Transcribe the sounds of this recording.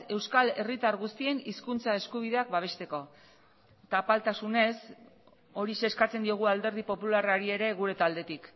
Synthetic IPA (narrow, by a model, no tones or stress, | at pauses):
e̞wskale̞rit̪aɾɣust̪ie̞niskunt͡sae̞skuβ̞iðe̞ak̚baβ̞e̞st̪e̞ko̞ | t̪apalt̪asune̞s | o̞ɾise̞ːskat͡se̞nd̪io̞ɣ̞uald̪e̞ɾð̞ipo̞pularaɾie̞ɾe̞ɣ̞uɾe̞t̪ald̪e̞t̪ik